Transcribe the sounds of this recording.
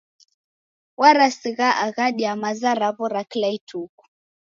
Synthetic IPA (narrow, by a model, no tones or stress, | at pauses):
waɾasiɣaʔaɣaɗiamazaɾaβɔɾaklaitʰuku̥